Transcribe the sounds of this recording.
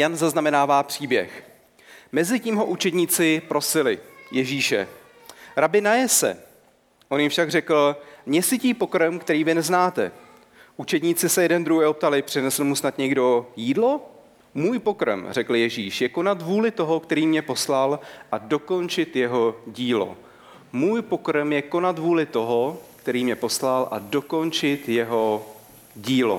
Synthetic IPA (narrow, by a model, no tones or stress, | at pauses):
janzaznamɛnaːvaːpr̝̥iːbjɛ̰x | mɛzɪciːmɦo̞ʔut͡ʃɛd̪ɲiːt͡sɪpɾo̞sɪlɪjɛʒiːʃɛ̰ | ɾabɪnajɛsɛ̰ | ʔo̞njɪmfʃaɡrɛkl̩mɲɛsɪciːpo̞kɾɛmkt̪ɛɾiːvɪnɛznaːt̪ɛ̰ | ʔut͡ʃɛd̪ɲiːt͡sɪsɛjɛdɛnd̪ɾuɦɛjʔop̚t̪alɪpr̝̥ɪnɛsl̩musnat̪ɲɛɡdo̞jiːdlo̞ | muːjpo̞kɾmr̝ɛkl̩jɛʒiːʃjɛko̞nat̪vuːlɪt̪o̞ɦo̞kt̪ɛɾiːmɲɛpo̞slalʔado̞ko̞nt͡ʃɪt̪jɛɦo̞ɟiːlo̰ | muːjpo̞kɾmjɛko̞nat̪vuːlɪt̪o̞ɦokt̪ɛɾiːmɲɛpo̞slalʔa̰do̞ko̞nt͡ʃɪt̪jɛɦo | ɟiːlo̰